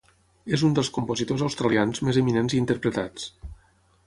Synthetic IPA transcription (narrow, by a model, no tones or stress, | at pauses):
ezund̪əlˠskumpozit̪ozawst̪ɾalianzmezeminenziːnt̪əɾpɾət̪at͡s